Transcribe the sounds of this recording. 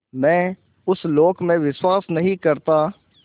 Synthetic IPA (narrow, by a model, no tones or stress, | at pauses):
mɛ̃ː | ʊsloːkmẽʋɪswaːsnɐɦĩkəɾt̪aː